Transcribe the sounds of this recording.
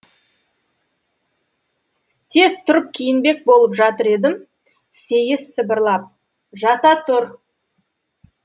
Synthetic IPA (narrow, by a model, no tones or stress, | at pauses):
t̪ʰe̞z̥t̪ʰʊɾəp̚kʲʰijɪnbe̞k̚bo̞lˠəpʒɑt̪əɾe̞d̪ɪm | se̞jɪsːəbəɾlˠɑp̚ | ʒɑt̪ɑt̪ʰʊɾ